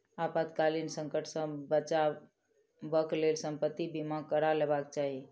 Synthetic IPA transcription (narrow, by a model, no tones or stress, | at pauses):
apəd̪kalinsəŋkəʈsə̃bət͡ʃa | bəklelsəmpət̪ːibimãkəɾalebakt͡ʃaɦi